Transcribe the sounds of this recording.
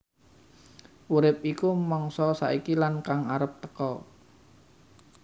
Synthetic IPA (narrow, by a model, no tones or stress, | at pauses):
ʔuɾɪp̚ikumɔŋsɔsa̰ikilankaŋaɾəp̚t̪əkɔ